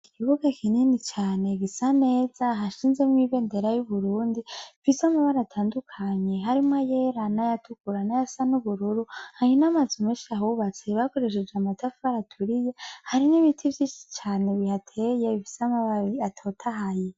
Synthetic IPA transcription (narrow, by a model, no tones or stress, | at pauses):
ikiβuɡakʰininit͡ʃaːne̞ɡisane̞ːz̥aɦaʃiːnzemŋiβe̞ːnde̞ɾajuβuɾuːndiifisamaβaɾaatʰaːndukʰaɲe̞ɦaɾimwajeɾanajatukuɾanajasanuβuɾuɾuhaɲinamazumeʃaɦuβat͡seβako̞ɾe̞ʃ̬ed͡ʒeamatafuaɾatʰuɾije̞haɾiniβitʰivjiːʃi̥t͡ʃaːneβihatʰe̞jeβifi̥samaβaɾiatʰo̞tʰaɦaje